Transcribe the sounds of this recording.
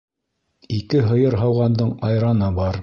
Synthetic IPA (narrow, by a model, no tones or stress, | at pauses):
ikɘɦɤ̆jɤɾɦɑwʁɑnd̪ɤɴɑjɾɑnɤbɑɾ